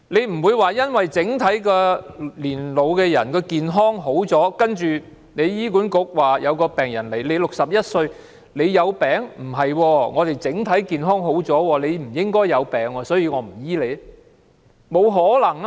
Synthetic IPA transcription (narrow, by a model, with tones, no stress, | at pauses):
le˨˧jm̩˨˩wuː˨˧jwaː˨jɐ˥nwɐ˨jt͡sɪ˨˥ŋt̪ʰɐ˨˥jkɔː˧liː˨˩nlo˨˧wkɛː˧jɐ˨˩nkɔː˧kiː˨nɦɔː˥ŋɦo˨˥wt͡sɔː˨˥kɐ˥nt͡ʃyː˨ | ne˨˧jjiː˥kuː˨˥nkʊ˨˥k̚waː˨jɐ˨˧wkɔː˧pɛː˨˩ŋjɐ˨˩nle˨˩jle˨˧jlʊ˨k̚sɐ˨p̚jɐ˥t̚sɵ˧ɥ | le˨˧jːɐ˨˧wpɛː˨ŋm̩˨˩ɦɐ˨jwɔː˧ŋɔː˨˧t̪e˨˩jt͡sɪ˨˥ŋt̪ʰɐ˨˥jkiː˨˩nɦɔː˥ŋɦo˨˥wt͡sɔː˨˥wɔː˧le˨˧jm̩˨˩jɪ˥ŋkɔː˥jːɐ˨˧wpɛː˨ŋɔː˧sɔː˨˥jiː˧ŋɔː˨˧˥m̩˨˩jiː˥le˨˧j | mo˨˧wɦɔː˨˥lɐ˨˩ŋ